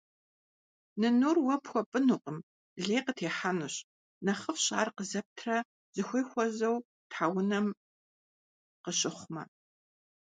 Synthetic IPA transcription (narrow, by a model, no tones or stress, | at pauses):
nɨnuːrwɐpxʷɔpʼɨnuːqʼəm | ɮeːqətʰeːħanɨɕ | nɐχəfɕʼa̰ːrqəzɐp̚tʰrɐ | z̥ɨxʷijxʷɔzɐw | tʰħaːwʊnɐm | qəɕʼɪχʷmɐ̰